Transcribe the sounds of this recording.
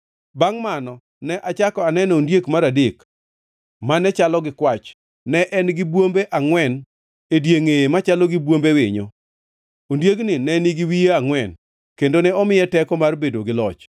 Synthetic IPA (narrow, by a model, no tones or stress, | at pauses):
baŋmanɔ | nɛʔat͡ʃakɔanɛnondjekmaɾadek | manɛt͡ʃalɔɡɪkwat͡ʃː | ɛʔɛnɡɪbwombeʔaŋwɛn | edjeŋemat͡ʃaloɡɪbwombewɪ̰ɲo̰ | ondjeknɪnɛniɡɪwijeaŋwɛn | kendonɛɔmɪjɛtɛkɔmarbedoɡɪlɔt͡ʃ